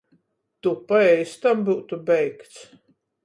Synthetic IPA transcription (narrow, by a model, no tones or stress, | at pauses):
t̪upaɛjst̪ambuwt̪ubɛjkt̪s